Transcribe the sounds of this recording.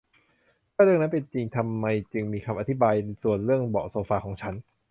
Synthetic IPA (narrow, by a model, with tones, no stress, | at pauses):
t̪ʰaː˥˩ɾɯ˥˩əŋna˦˥pe˧nt͡ɕi˧ŋt̪ʰa˧mːa˧jt͡ɕɯ˧ŋmiː˧kʰa˧mʔa˧t̪ʰi˦˥baː˧jsu˨˩ənɾɯ˥˩əŋbɔ̰ː˨˩soː˧˦faː˧kʰɔː˩˦ŋt͡ɕʰa˦˥n